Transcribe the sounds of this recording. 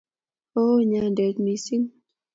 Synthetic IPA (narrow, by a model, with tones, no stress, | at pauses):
o˦ɲa˧˦ndɛ˨tni˨si˦ŋ